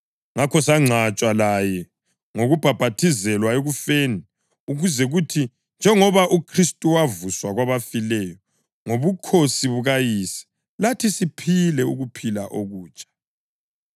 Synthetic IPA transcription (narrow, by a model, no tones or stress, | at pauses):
ŋakʰɔsaŋ͡ǀʱat͡ʃʼwalajɛ | ŋoɣub̥ʱab̥ʱatʰizɛlwaeɣufeːni | uɣuzɛɣutʰi | nd͡ʒʱɛŋɔβaʔukʰristʼuwavuswaɣwaβafilɛjɔ | ŋoβukʰosiβuɣajiːsɛ̥ | latʰisipʰilɛṵɣupʰilaʔoɣuːt͡ʃʼḁ